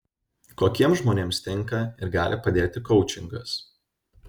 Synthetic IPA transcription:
koːkʲiɛmsʒmoːnʲeːmst̪ʲɛŋˑkɐɪɾɡɑːlʲʔɪpɐd̪ʲeːt̪ʲɪkɔʊt͡ʃʲɪŋɡɐs

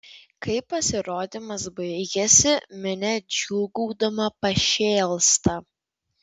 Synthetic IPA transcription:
kɐɪpːɐsʲɪɾoːd̪ʲɪmɐsbɐɪɡʲɛsʲɪmʲɪnʲɛd͡ʒʲuːɡuːd̪ɐmɐpɐʃʲeːlˠst̪ɐ

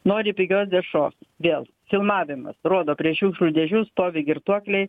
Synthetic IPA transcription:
noːɾʲɪpʲɪɡʲoːsd̪ʲɛʃoːsʋʲeːlˠ | fʲɪlˠmɑːʋʲɪmɐ̰sroːd̪oːpʲɾʲiɛʃuːkʃlʲud̪ʲɛʒʲust̪oːʋʲɪɡʲɪɾt̪uɔklʲɛɪ

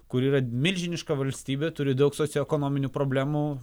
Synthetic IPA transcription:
kʊɾiːɾɐmʲɪlʲʒʲɪnʲɪʃkɐʋɐlʲsʲt̪ʲiːbʲeːt̪ʊɾʲɪd̪ɐʊksoːt̪ʲɛkonoːmʲɪnʲuːpɾoːbʲlʲæːmu

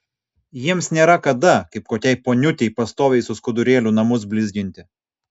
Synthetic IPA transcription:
jiɛmsnʲeːɾɐkɐd̪ɐkɐɪp̚koːkʲɛɪpoːnʲʊt̪ʲɛɪpɐst̪oːʋʲɛɪsʊskʊd̪ʊɾʲeːlʲunɐmʊs̬bʲlʲɪzʲɡʲɪnʲt̪ʲɪ

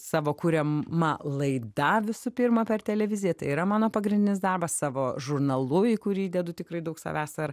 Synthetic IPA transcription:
sɑːʋoːkuːɾʲɛmɐlˠɐɪd̪ɐʋʲɪsʊpʲirmɐpʲɛrt̪ʲɛlʲɛʋʲɪzʲɪjɛt̪ɐɪiːɾɐmɑːnoːpɐɡɾʲɪnʲdʲɪnʲɪsd̪ɐrbɐssɑːʋoːʒʊrnɐlˠʊiːkʊɾʲiːd̪ʲɛd̪ʊt̪ʲɪkɾɐɪd̪ɐʊksɐ̰ʋʲæːsɐr

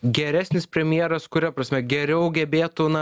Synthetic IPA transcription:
ɡʲɛɾʲæːsʲnʲɪspʲɾʲɛmʲjiːɾɐskʊɾʲɛpɾɐsʲmʲɛɡʲɛɾʲɛʊɡʲɛbʲeːt̪ʊnɐ

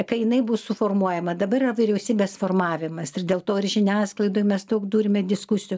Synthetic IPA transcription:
kɐɪjɪnɐɪbʊssʊfoːrmuɔjɛmɐd̪ɐbɐɾɪrɐʋʲɪɾʲɛʊsʲiːbʲeːsfoːrmɑːʋʲɪmɐsɪrdʲeːlˠt̪oːɪrʒʲɪnʲæːsklˠɐɪd̪oːjmʲɛst̪oːkd̪uːɾʲɪmʲɛdʲɪskʊsʲɪjʊ

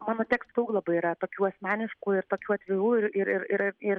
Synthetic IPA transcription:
mɑːnoːt̪ʲæːkst̪d̪ɐʊklˠɐbɐiːɾɐt̪oːkʲuːɐsʲmʲæːnʲɪʃkuːɪɾt̪oːkʲuːɐt̪ʲʋʲɪɾuːɪɾɪɾɪɾɪɾɪɾ

